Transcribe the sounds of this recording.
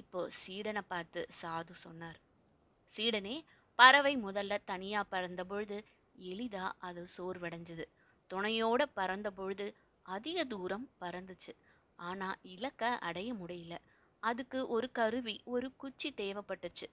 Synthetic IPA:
ɪpːoːsiːɽɐnɐpːaːɾt̪ɯsaːðɯsɔnːaːɾ | siːɽɐneː | pɐɾɐʋɐɪmʊðɐlːɐt̪ɐnɪjaːpɐɾɐnd̪ɐp̬ɔɻɯðɯ | ɛlɪðaːʔɐðɯsoːɾʋɪɽɐɲd͡ʒɯðɯ | t̪ʊɳɐjoːɽɐpɐɾɐnd̪ɐp̬ɔɻɯðɯ | ɐðɪɣɐd̪uːɾɐmpɐɾɐnd̪ɯt͡ʃːɯ | aːnaːɪlɐkːɐʔɐ̰ɽɐjɐmʊɽɐjɪlɐ | ɐðɯkːɯʔɔɾɯkɐɾɯʋiɔɾɯkʊt͡ʃːit̪eːʋɐpːɐʈːɯt͡ʃːɯ

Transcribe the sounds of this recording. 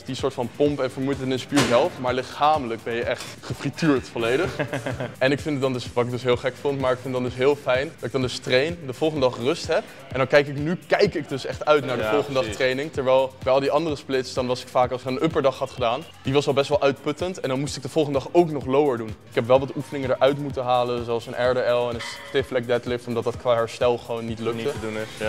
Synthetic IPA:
disʊːɹtfɑnpompɛnvəɹmujttənɪnspiɹzɛlˠfmaːɹlɪχaːmələk̚bɛnjəʔɛχtχəfrityːɹtfolejdəχʔɛnɪkfɪnddɑndsʋɑtɪk̚dɵsɦɪːlˠχɛkfontmaːɹɪkfɪndɑndɵsɦɪːlˠfɛjndɑtɪɡ̚dɑndɵstrejndəvɔlˠχəndədɑχrɵstɦɛp | ʔɛndɑnkɛjkɪknykɛjkɪk̚dɵsɛχtœɥtnaːɹdəvɔlˠχəndədɑχttrejnɪŋtɛɹʋɛjlˠbɛjɑlˠdiɑndərəsplɪtsdɑnʋɑsɪ̥kfaːkɑlˠɪkənʔɵpəɹdɑχɦɑtχədaːn | diʋɑsʋɛlˠbɛstʋɛlˠʔœɥt̚pɵtəntɛndɑnmustɪɡ̚dəvʊlˠχəndədɑχowknɔχlowəɹdunɪkɦɛpʋɛlˠʋɑtufənɪŋəndəɹʔœɥtmutəɦaːlənzoɑlˠsənʔɛɹdeɛlˠɛnənstɪflɛk̚dɛtlɪftɔmdɑt̚dɑtkʋaːɦɛɹstɛlˠχəʋownːitlɵkədu

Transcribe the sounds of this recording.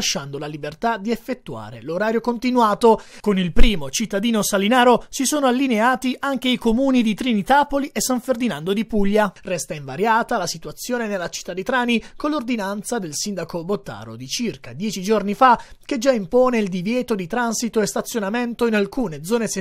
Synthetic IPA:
aʃːand̪olalibert̪ad̪iefːet̪ːua̰ːɾḛloɾaːɾjokont̪inwaːt̪okonilpɾiːmot͡ʃit̪ːad̪iːnosalinaːɾosisoːnoalːineaːt̪iʔaŋk̟eikomuːnid̪it̪ɾinit̪aːpoliʔesːaɱferd̪inand̪od̪ipuʎːarɛst̪aiɱvaɾjaːt̪alasit̪uat̪sːjoːnenelːat͡ʃi̥t̪ːad̪it̪ɾaːnikolːord̪inant̪sad̪elsind̪akobot̪ːa̰ːɾo̰d̪it͡ʃirkad̪jɛːt͡ʃid͡ʒornifak̟ed͡ʒaimpoːneild̪ivjɛːt̪od̪it̪ɾansit̪oest̪at̪sːjonament̪oinalkuːned̪zɔːnes

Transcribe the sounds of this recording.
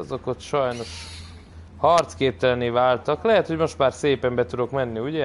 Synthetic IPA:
zoko̞t̪ʃɒjno̞ʃ | hɒrt̪skeːp̚t̪ɛlɛneːvaːlt̪ɒklɛɦɛt̪ho̞ɟmo̞ʃt̪maːrseːpɛmbɛt̪ud̪o̞kmɛnːiuɟɛ

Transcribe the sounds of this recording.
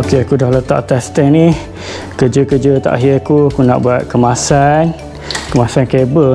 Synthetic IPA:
okeakudahlət̪a̰ʔt̪ast̪ɛŋni | kəd͡ʒəkəd͡ʒət̪a̰ʔaɦiakuakuna̰ʔbuat̪̚kəmasan | kəmasankebə

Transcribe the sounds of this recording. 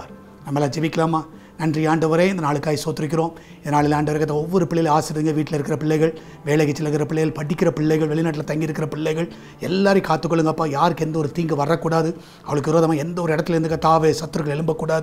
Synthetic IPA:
nɐmːɐlːãːd͡ʒɛʋɪkːɐlaːmaː | nɐndriaːɳɖɯʋɐɾeːɪnd̪ɐnaːɭɯkːaːjsoːt̪ɪɾɪk̬ːɪɾõː | ɪðɐnaːɭɪlaːɳɖɐʋɐɾɐkɐt̪ːɔʋːɔɾɯpɪɭːɪjɪlaːsɪɾɐðɯːŋɡɐʋiːʈːɪlɪɾɯkːɪɾɐpɪɭːɐɪɣɐɭ | ʋeːɭɐɣɐt͡ʃːɪlːɐɣɪɾɐpɪɭːɐjɣɐlpɐʈːɪkːɪɾɐpɪɭːɐɪɣɐɭʋɛɭɪnaːʈ̬ːɪlɐt̪ɐŋɡiɪɾɯkːɪɾɐpɪɭːɐɪɣɐɭ | ɛlːaːɾɪkaːt̪ːɯkːɔɭːɯŋɡɐpːãːjaːɾɯkːɯɛnd̪ɐɔɾɯt̪iːŋɡɯʋɐrːɐkːuːɽaːðɯ | ɐʋɐɭɯkːɯɾoːðɐmaːɛnd̪ɐɔɾɯɪɽɐt̪ːɪlɐɪɾnd̪ɯkːɐt̪aːʋesɐt̪ːɯɾɯkɐɭɛɭɯmbɐkːuːɽaːðɯ

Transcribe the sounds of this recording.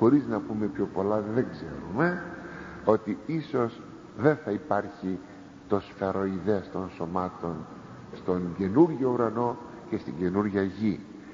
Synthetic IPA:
xo̞ɾiznɐpume̞pço̞po̞lɐðe̞ŋɡze̞̰ɾume̞ | o̞t̪iiso̞s | ðe̞nθɐipɐɾçi | t̪o̞sfeɾo̞iðeɐst̪o̞nso̞mɐt̪o̞n | st̪o̞ŋɟe̞nuɾʝouɾɐno̞ | ce̞st̪ḭɲɟe̞nuɾʝɐʝi

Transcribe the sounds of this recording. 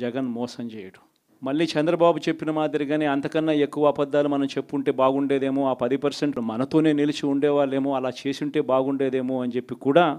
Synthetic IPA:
d͡ʒɛɡɐnmɔːsɐmt͡ʃɛːjɐɽu̥ | mɐɭːiːt͡ʃɛnd̪ɾɐbaːbut͡ʃe̞pːinɐmaːd̪iɾiɡaːneːɐnt̪ɐkɐnːɐekːuʋɐːpɐd̪ːaːlumɐnɐmt͡ʃe̞pːuɳʈe̞ːbaːɡuɳɖeːd̪e̞ːmoaːpɐd̪ipɐɾseɳʈmɐnɐt̪o̞ːne̞ːnilit͡ʃiuɳɖɛːʋaːɭːeːmoːɐlaːt͡ʃe̞ːsuɳʈe̞ːbaːɡuɳɖe̞ːd̪e̞ːmoɐnt͡ʃe̞pːikuːɽaː

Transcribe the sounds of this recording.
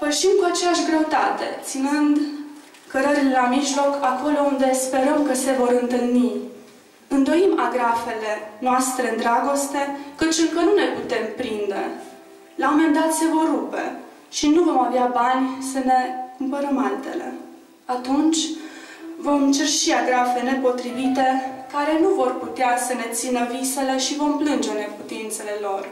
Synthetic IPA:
pəʃimkuat͡ʃe̞jaʃɡɾe̞ut̪at̪e̞t̪sinɨnd̪ | kəɾəɾilelamiʒlo̞kʰako̞lo̞und̪e̞spe̞ɾəmkəse̞vo̞ɾɨnt̪ɨlni | ɨnd̪o̞imaɡɾafe̞le̞noast̪ɾe̞ɨnd̪ɾaɡo̞st̪e̞kət͡ʃɨŋkənune̞put̪e̞mpɾind̪e̞̰ | laomend̪at̪se̞vo̞rːupe̞̰ | ʃinuvo̞maveabanʲsəne̞kumpəɾəmalt̪e̞le̞̰ | at̪unt͡ʃʲ | vo̞mt͡ʃerʃiaɡɾafe̞ne̞po̞t̪ɾivit̪e̞kaɾe̞nuvo̞rput̪easəne̞t̪sinəvise̞le̞ʃivo̞mplɨnd͡ʒe̞ne̞put̪int̪se̞le̞lo̞r

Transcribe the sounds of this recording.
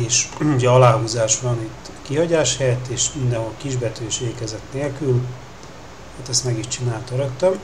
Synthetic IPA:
eːʃuɟɛɒlaːhuːzaːʃbɒnit̪ː | kiɦɒɟaːʃhɛt̪ːeːʃmind̪ɛnɦo̞lkiʒbɛt̪øiʃeːkɛzɛt̪neːlkyl | haːt̪ɛst̪mɛɡiʃt͡ʃinaːlt̪øɾøkt̪øm

